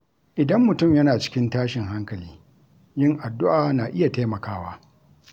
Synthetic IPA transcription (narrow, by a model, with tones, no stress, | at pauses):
ʔɪ˨dɐ˦mːʊ˨tʊ˦˨mjɐ˦naː˨t͡ʃɪ̥˦kʲɪ˦ntaː˦ʃɪ˨ŋɦa˦ŋkɐ˨liː˦ | jɪ˦ŋʔa˨dːʊ˦ʔaː˨naː˨ʔɪ˦ja˨taː˦mɐ˨kaː˦waː˦